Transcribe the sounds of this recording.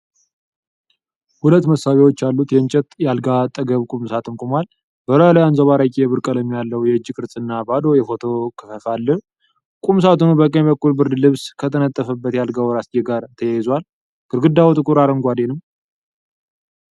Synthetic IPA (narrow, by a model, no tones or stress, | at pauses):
hulət̪ːməsaβiwo̞t͡ʃːalːut̪jɛɲt͡ʃʼɛt̪jalɡat̪ʼːəɡəβkʼumsat̪ʰɨnkʷʼumal | bəɾalajanzoβaɾakʼeβɨɾkʼələmːjalːəwjɛd͡ʒːɪkʰʼɨɾsʼɨnːabad̪o̞jɛfo̞t̪ʰo̞kʰə̥fəfalːɨh | kʼums̬at̪unubəkʼəɲbəkʰːulbɨɾd̪lɨβskʰət̪ʰənət̪ʼːəfəbːət̪jalɡawɾasd͡ʒɛɡaɾt̪ʰəjajɪzwal | ɡʼɨɾɡɨd̪ːawut̪ʼɨkʼuɾaɾəŋɡʷad̪enɨm